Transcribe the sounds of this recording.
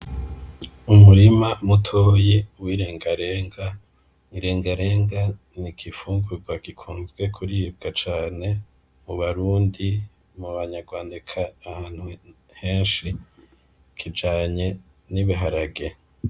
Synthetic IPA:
umuɾimamutʰoːjewiːɾeːŋɡaɾeːŋɡa | iɾe̞ːŋɡaɾeːŋɡa | nikʰifuːŋɡuɾɡwaɡikʰuːnzɡwe̞kʰuɾiːb̚ɡat͡ʃaːne̞ | muβaɾuːndi | muβaɲaɾɡwaːndekʰaːhaːn̥hu | heːnʃi | kʰid͡ʒaːɲe̞ | niβiɦaɾaɡe̞

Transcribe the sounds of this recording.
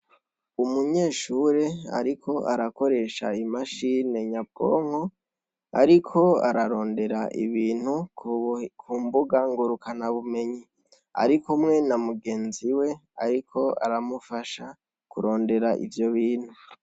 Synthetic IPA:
umuɲe̞ːʃuːɾe̞a̰ɾikʰo̞ʔaɾako̞ɾe̞ʃa̰imaʃine̞ɲab̚ɡo̰ːŋ̥ho | a̰ɾikʰo̞a̰ɾaɾo̞ːnde̞ɾaʔḭβiːn̥hu | kʰuːmbuɡaŋɡuɾukʰanaβume̞ɲi | a̰ɾikumŋe̞namuɡe̞ːnziwe̞aɾikʰo̞a̰ɾamufaʃa | kuɾo̞ːnde̞ɾaʔḭvjo̞βiːn̥hu

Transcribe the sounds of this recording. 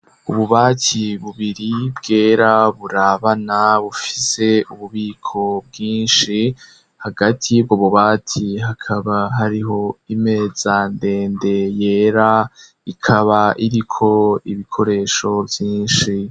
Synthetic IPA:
uβuβaːtʰiβuβiɾibɡe̞ːɾaβuɾaβanaβufi̥se̞uβuβiːkʰo̞bɡiːnʃi | haɡatʰib̚ɡoβuβaːtʰiɦakʰaβaɦaɾiɦo̞ime̞ːz̥ande̞ːnde̞je̞ːɾa | ikʰaβaʔiɾikʰo̞iβikʰo̞ɾe̞ːʃo̞vjiːnʃi

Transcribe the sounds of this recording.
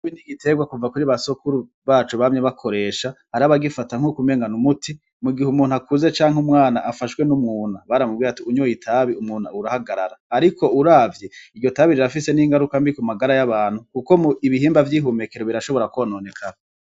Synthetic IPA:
βiniɡitʰe̞ɡwakuvakuɾiβasokuɾu | βaːt͡ʃuβamɲeβakʰo̞ɾe̞ʃahaɾaβaɡifataŋ̥hukume̞ːŋɡanumutʰi | muɡihumuːnuakʰuze̞t͡ʃaːŋumŋaːna̰ʔafaʃwe̞numŋuːnaβaɾamubɡiːɾatiuɲujitʰaβiumuːn̥a̰uɾahaɡaɾa̰ɾaːɾikʰo̞uɾaːvjeiɡɟo̞taβiɾiɾafise̞niŋɡaɾukambikumaɡaɾajaβaːn̥hukuko̞muiβiɦiːmbavjiːɦume̞keɾoβiɾaʃo̞βo̞ɾakwanoːne̞kʰaɾa

